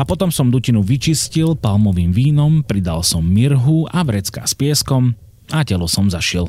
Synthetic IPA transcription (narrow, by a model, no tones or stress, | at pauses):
apɔt̪ɔmsɔmd̪ucinuʋit͡ʃiscilpalmɔʋiːmʋiːnɔmpɾid̪a̰lsɔmːiɾɦuaʋɾɛt͡ska̰ːspɪɛskɔm | acɛlɔsɔmzaʃɪɛl